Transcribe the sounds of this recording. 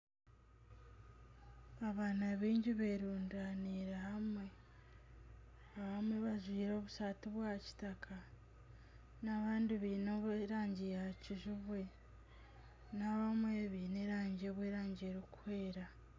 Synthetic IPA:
aβaːnaβiːɲɟiβeɾuːndaniɾahamwe̞ | aβamweβaʒwiːɾo̞ːβusatiβwaːci̥takʰa | naβaːndiβiːnoβɾaːɲɟiaciʒuβwe̞ | naβamweβiːneɾaːɲɟeβweːɾaːɲɟiɾokuhe̞ːɾa

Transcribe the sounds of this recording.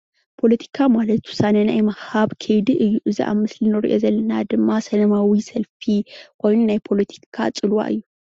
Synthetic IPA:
pʰo̞lɐt̪ʰi̥kʰamalɐt̪wʊ̥sanenajmɐhaβkʰɐjd̪iʔɨjːuʔɨzḭʔa̰mɨslinɨɾḭʔo̞̰zɐlːɐnad̪ɨmːasɐlɐmawisɐlfikʰo̞jnunajpʰo̞lɐt̪ʰi̥kʰa̰t͡sʼɨlwa̰ʔɨ̰jːu

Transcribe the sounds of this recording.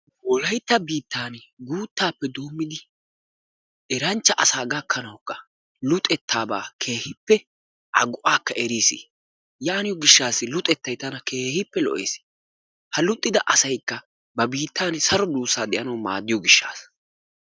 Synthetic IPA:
wɔlɐjt̪ːɐbiːt̪ːaːnɡuːt̪ːaːpːɛd̪oːmːɪd̪ɪ | ʔɛɾɐnt͡ʃːɐʔɐsaːɡɐkʰːɐnɐwkːɐ | lʊt̪ʼɛt̪ʰːaːba̰ːkʰeːhɪpːɛ | ʔɐ̰ɡʊʔaːkːɐʔɛɾiːsḭ | jaːnɪjɔɡɪʃːaːsɪlʊt̪ʼɛt̪ːɐjt̪ːɐnɐke̞ːhɪpːɛlɔ̰ʔḛːs | hɐlʊt̪ʼːɪd̪ɐʔɐsɐjkːɐ | bɐbiːt̪ːaːnsɐɾɔd̪uːsːaːd̪ɛʔɐnɐwma̰ːd̪ːɪjɔɡɪʃːa̰ːs

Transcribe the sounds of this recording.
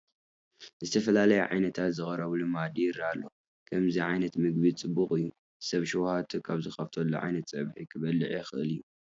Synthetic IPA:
zɨt̪ʰɐfɐlalɐjɛʕa̰jnɐt̪ʰat̪zɨxʼɐɾɐβlumad̪iɾalːo̞ | kʰɐmziʕajnɐt̪mɨɡβit͡sʼɨbːuχʼɨjːu | sɐβʃɛwhat̪ʰkʰaβzɨxɐft̪ʰɐlːṵʕa̰jnɐt̪sʼɐβħikʰɨβɐlːɨʕixɨʔɨlijːu

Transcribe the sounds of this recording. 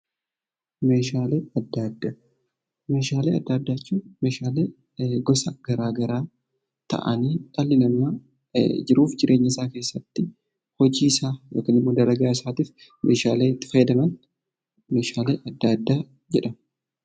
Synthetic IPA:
me̞ːʃaːleːɐd̪ːad̪ːaː | me̞ːʃaːleːɐd̪ːad̪ːaːt͡ʃːuːme̞ːʃaːleː | ɡɔsɐɡ̥ɐɾaːɡɐɾaː | t̪ɐ̰ʔɐ̰niːᶑ̪alːɪnɐmːa | d͡ʒɪɾuːfd͡ʒɪɾʔe̞ːɲːɪsaːke̞ːsːɐt̪ːɪ | hɔd͡ʒiːɪsaːjoːkɐnɪmːoːd̪ɐɾɐɡaːɪsaːt̪iːf | mʔe̞ːʃa̰ːleːɪt̪ːɪ̥fɐjːɛd̪ɐmɐn | me̞ːʃaːleːʔɐd̪ːad̪ːaː | d͡ʒɛᶑɐm

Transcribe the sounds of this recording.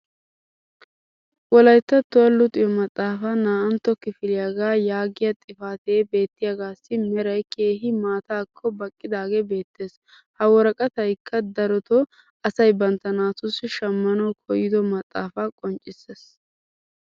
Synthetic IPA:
wɔlɐjt̪ːɐt̪ːɔɐlːʊt̪ʼɪjɔmɐt̪ʼːaːfɐnaːʔɐnt̪ːɔkɪfɪlɪjaɡaːjaːɡɪjɐt̪ʼɪfaːt̪eːbe̞ːt̪ːɪjaɡaːsːɪmɛɾɐjkʰe̞ːɦɪmaːt̪aːkʰːɔbɐkʼːɪd̪aːɡebe̞ːt̪ːe̞ːs | hɐwɔɾɐkʼɐt̪ɐjkʰːɐd̪ɐɾɔt̪ɔ | ɐsɐjbɐnt̪ːɐnaːt̪ʊsːɪʃɐmːɐnɐwkʰɔjɪd̪ɔmɐt̪ʼːa̰ːfaːkʼɔnt͡ʃʼːɪsːeːs

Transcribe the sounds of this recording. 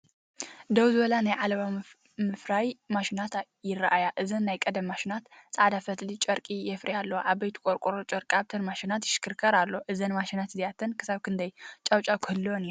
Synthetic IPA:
d̪ɐwzɨβɐlanajʕalɐβa | mɨfɾajmaʃinat̪ | jɪraʔajaʔɨzɐnːajkʼɐd̪ɐmːaʃinat̪sʼaʕd̪afɐt̪lit͡ʃʼɐɾkʼijɛfɾʔɐjalːɐwʔaβbɐjt̪ʰi̥kʼoɾkʼɾot͡ʃʼɐɾkʼaβt̪ʰɐnmaʃinat̪jɪʃɪ̥kʰɨɾkʰɐɾalːo̞ʔɨzɐnmaʃinat̪zijat̪ʰɐnkʰɨsaβkʰɨnd̪ɐjt͡ʃʼawt͡ʃʼakʰɨhɨlːwoniɾu

